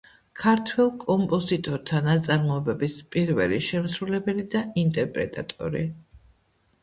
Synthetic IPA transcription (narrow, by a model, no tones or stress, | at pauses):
kʰaɾt̪ʰwɛlˠkʼɔmpʼɔzit̪ʼɔɾt̪ʰanat̪sʼaɾmɔɛbɛbispʼiɾvɛliʃɛmsɾulɛbɛlid̪aint̪ʼɛɾpʼɾɛ̰t̪ʼa̰t̪ʼɔ̰ɾḭ